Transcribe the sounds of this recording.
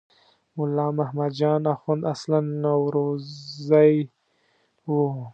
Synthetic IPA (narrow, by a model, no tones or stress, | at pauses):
mʊlɑːmahmad̪d͡ʒɑːnaxund̪aslanːawɾozaj | wu